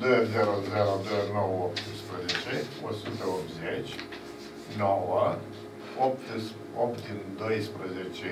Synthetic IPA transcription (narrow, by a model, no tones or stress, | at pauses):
d̪ojəzeɾozeɾod̪ojənowəopt̪ɨspɾəzet͡ʃeo̰sut̪əopt̪zet͡ʃʲ | nowə | op̚t̪ɨs | opt̪ɨnd̪ojspɾəzet͡ʃe